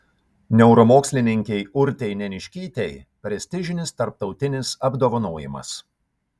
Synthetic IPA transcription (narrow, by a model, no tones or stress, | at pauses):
nʲɛʊɾɔmoːksʲlʲɪnʲɪŋʲkʲɛɪʊɾʲt̪ʲɛɪnʲɛnʲɪʃʲkʲiːt̪ʲɛɪpʲɾʲɛsʲt̪ʲɪʒʲɪnʲɪst̪ɐɾp̚t̪ɒʊt̪ʲɪnʲɪsɐbd̪oːʋɐnoːjɪ̰mɐ̰s